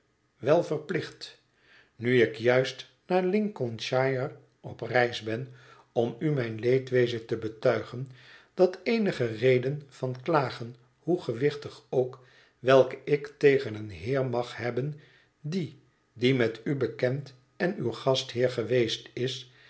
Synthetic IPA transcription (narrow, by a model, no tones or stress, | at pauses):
ʋɛlˠvəɹplɪχt | nyɪkjœɥst | naːɹlɪŋkɔnʃajər | ɔprɛjzbɛn | ɔmymɛjnlejtʋejzətəbətœɥχənd̥ɑtejnəχərejdənfɑnklaːχən | huχəʋɪχtəχowk | ʋɛlˠkəɪktejχənənɦɪːɹmɑχhɛbən | di | dimɛtybəkɛnt | ɛnywχɑsthɪːɹχəʋejstɪs